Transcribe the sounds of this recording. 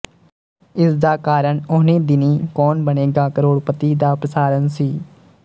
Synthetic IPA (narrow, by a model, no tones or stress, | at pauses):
ɪsd̪aːkaːɾəɳʊniːd̪ɪniːkɔːnbəñeːɡaːkəɾoːɽpət̪iːd̪aːpɾəsaːɾənsiː